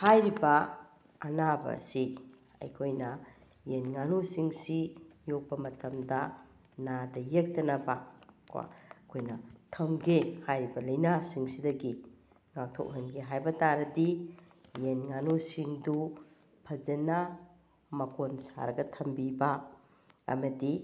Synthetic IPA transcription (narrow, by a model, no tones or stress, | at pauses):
hajɾibɐː | nabɐ̰si | ɐ̰jkʰojnɐ | jenŋanosiŋsijok̚pɐmɐtɐmdɐ | nadɐjek̚tɐnɐbɐkwa̰kʰojnɐtʰɐmɡehajɾibɐlɐjnasiŋsidɐɡi | ŋak̚tʰo̰k̚ɦɐnɡeɦajbɐtaɾɐdi | jenŋanosiŋdu | pʰɐzena | mɐkonsa̰ɾɐɡɐtʰɐmbiba̰ː | mɐdi